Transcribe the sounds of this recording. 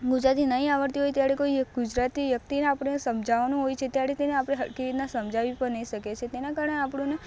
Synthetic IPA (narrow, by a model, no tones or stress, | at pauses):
ɡʊd͡ʒɾat̪inəɦĩaʋəɾt̪iɦojt̪jaɽekoiɡʊd͡ʒɾat̪iʋjək̚t̪ineapəɽeesəmd͡ʒʱaʋanũɦojt͡ʃʰet̪jaɽet̪eneapɽ̃eɦəɽkiɾit̪nasəmd͡ʒʱaʋipəɾnəiʃəket͡ʃʰet̪enakaɾəneapɽ̃ũne